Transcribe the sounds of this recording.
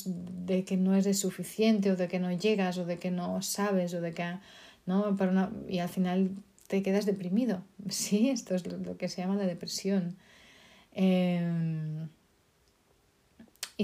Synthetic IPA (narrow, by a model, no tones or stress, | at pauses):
d̪e̞keno̞e̞zðesufiθje̞nt̪̬e̞oð̞eke̞no̞ʝe̞ɣas̬o̞ð̞e̞ke̞nosaβ̞e̞s̬o̞ð̞e̞kanopaɾunaḭalfinal | t̪e̞ke̞ðazðe̞pɾimiðo̞sie̞st̪oezllokeseʝamalaðe̞pɾesjo̞n | e